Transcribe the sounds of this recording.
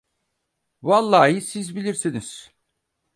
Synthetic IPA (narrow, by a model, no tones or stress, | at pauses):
valˠːaːjɯsizbilʲiɾsiniz̥